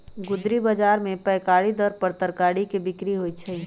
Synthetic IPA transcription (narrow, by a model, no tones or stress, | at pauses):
ɡʊd̪ɾibəd͡ʒaːɾmẽpɛːkaːɽid̪əɾpəɾt̪əɾkaːɽikebɪkɾiɦoːit͡ʃʰəi